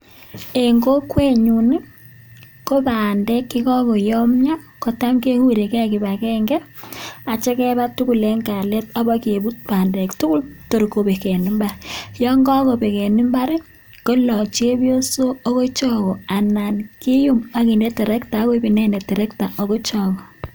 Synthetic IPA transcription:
e˨ŋɡo˦kwe˦ɲu˨ni˦ | ko˦pa˨ndɛ˦kːi˦kɔ˦ko˨jɔ˦mɲa˦ | ko˨ta˦mke˦hu˦ɾe˨kɛ˦˨ki˨ba˨kɛ˦ŋɡɛ˦ | a˨t͡ʃɛ˦kɛ˦ba˦tu˦ku˦le˦ŋɡa˨le˦t̚ɔ˨˦bɔ˦ke˨bu˦t̚paː˨ndɛ˨ktu˦ku˦lto˨ɾko˨be˨kɛ˨ni˦mba˦ɾjɔ˦ŋɡɔ˦ko˨be˨ke˨ni˦mba˦ɾe˦ | ko˦lɔ˨t͡ʃe˦bjo˦so˦o˦ko˦t͡ʃɔ˦kɔ˨a˨na˨nki˦ju˦ma˨ki˨nde˦tɛ˨ɾɛ˦kta˨˦ko˦bi˨nɛ˦ne˨tɛ˨ɾɛ˦kta˨ʔo˨ko˦t͡ʃɔ˦˨kɔ˨

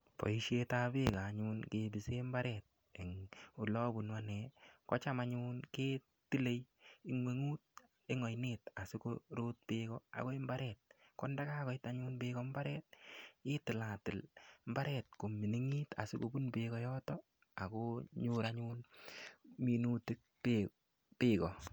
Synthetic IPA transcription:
pɔ̰˨i˦ʃetabekaɲunkebi˨se˦mba˦ɾɛt̚ | e˨ŋu˨lɔ˦bu˨nwanɛ˨kɔ˦t͡ʃa˦maɲunkeː˦ | tɪ˦le˦ji˦ŋwe˨ŋuː˦t̚ | e˦ŋɔ˨jneta˨sɪ˦koɾo˦t̚pekɔa̰˨ko˦e˦mba˦ɾɛt̚kɔ˦nda˦ka˦kɔ˨ɪ˦taɲuː˦nbɪkɔmba˦ɾɛ˦t̚ɪ˦tɪ˨la˨tɪ˨lmba˦ɾɛtko˨mi˨ni˦ŋi˦ta̰˨si˦ko̰˨bu˦nbɪkɔ˦jɔtɔ | a˨ko˦ɲʊ˦ɾaɲuːn | mi˨nu˦tɪ˦k̚ | pe | pɪːkɔ̰˨

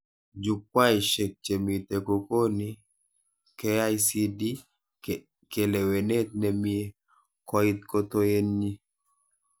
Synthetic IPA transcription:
d͡ʒu˨k̚wa˦i˨ʃe˨k̚t͡ʃe˨mi˨t̪e˨ko˨ko˦ni˦ | kɛ˦a˦jsi˦di˦ | ke˨le˨we˨ne˦t̪̚nɛ˨mie˦ | kɔ˦i˦t̪̚ko˦t̪o˦e˦nɲi˦

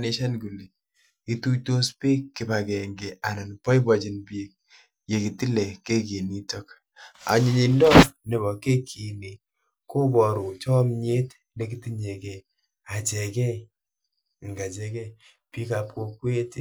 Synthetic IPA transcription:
ni˦ʃa˦nku˨li˨ | i˦tu˦to˦spe˦kːi˨ba˨kɛ˨ŋɡe˨a˨na˨npɔ˦i˦ba˨t͡ʃi˨npi˨˦k̚ | je˨ki˨ti˦lɛ˨ke˦k̬i˨ni˦tɔ˦k | a̰˨ɲi˨ɲi˨ndɔ˦ne˨bɔ˨ke˦kʰi˨ni˨ | ko˦bɔ˨ɾo˨t͡ʃɔ˦mɲe˦t | le˦ki˦ti˦ɲe˨kɛ˨ | a˨t͡ʃɛ˨kɛ˦j | ŋɡa˨t͡ʃɛ˨kɛ˦j | pi˦ka˨p̚ko˧kwe˦t

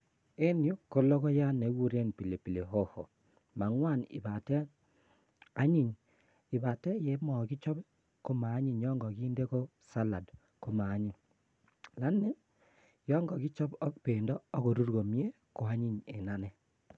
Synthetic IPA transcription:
e˦njo˦ko˦lɔ˦kɔ˦ja˦ne˨˦ɡu˦ɾe˦˨npi˨le˨pi˨le˨ɦo˦ho̰˨ | ma˨ŋwa˦˨nɪ̰˨ba˨tɛ˦ | a˦ɲi˦ɲ | ɪ˨ba˨tɛ˦jɛ˨˦mɔ˨ki˦t͡ʃɔ˦b | ko˦maː˨˦ɲi˨ɲjɔ˦ŋɡɔ˨kiː˦nde˦ko˦ | sa˦la˨d | ko˦maː˨˦ɲi˨ | la˦nːi˦ | jɔ˦ŋɡɔ˨ki˦t͡ʃɔ˦bɔ˦k̚pe˨ndɔ˦ɔ˦ko˨ɾu˦ɾɡo˨mje˦ | ko˨a˦ɲi˦ɲḛ˨na˦nɛ˦

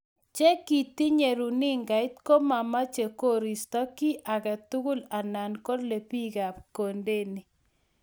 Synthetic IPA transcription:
t͡ʃe˦ki˨ti˦ɲe˨ɾu˨nɪ˦ŋɡa˨ɪ˦t̪ko˦ma˨ma˦t͡ʃe˨ko˦ɾi˨stɔ˦ki˦ʔa˨ɡa˨t̪u˦ɡʊ˦la˨na˨nko˦dle˨pi˦ɡa˨pko˨nde˦ni˨

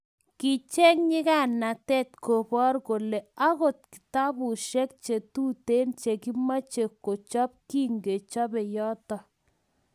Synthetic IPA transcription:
kɪ˨t͡ʃe˦ŋɲɪ˦ka˦˨na˨tɛ˦˨tko˨bɔ˦ɾko˨le˨a˦ɣo˨t̚kɪ̥˨ta˦bʊ˨ʃɛ˦k̚t͡ʃe˨tu˦te˦nt͡ʃe˨ki˦ma˦t͡ʃe˨kːo˨t͡ʃɔ˦p̚ki˦ŋɡe˨t͡ʃɔ˦bɪ˨jɔ˦tɔ˨

